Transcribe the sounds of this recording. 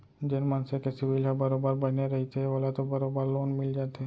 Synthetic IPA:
d͡ʒɪnmə̃nsekesɪʋilɦəbɐɾobəɾbəd͡ʒneɾɐɦit̪eɦɛʋolat̪obɐɾobəɾloːnmɪld͡ʒaːt̪eɦɛ

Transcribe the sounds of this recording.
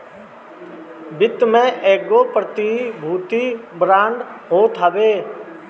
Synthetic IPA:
bɪt̪mẽːʔeːɡoːpɾət̪ibʱuːt̪iːbɾãːɳɖɦoːt̪ʰɦəʋeː

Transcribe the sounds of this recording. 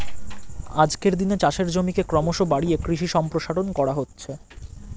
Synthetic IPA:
ad͡ʑkeɾd̪inet͡ɕaʃeɾd͡ʑomikekɾɔmoʃobaɽiekɾiʃiʃɔmpɾoʃaʈonkɔɽaɦotːɕʰe

